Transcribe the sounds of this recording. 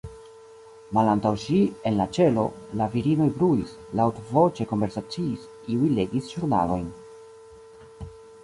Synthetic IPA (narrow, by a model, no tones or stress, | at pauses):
malantawʃie̞nlat͡ʃe̞lo̞̰ | laviɾino̞jbɾuis | lawtovo̞t͡ʃe̞ko̞nve̞ɾsat͡siːs | iujle̞ɡisʒuɾna̰lo̞jn